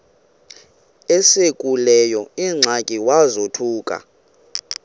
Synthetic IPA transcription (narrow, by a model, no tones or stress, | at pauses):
ɛsekʼulɛjɔiŋ͡ǀʱakʼiwazotʰuːkʼa̰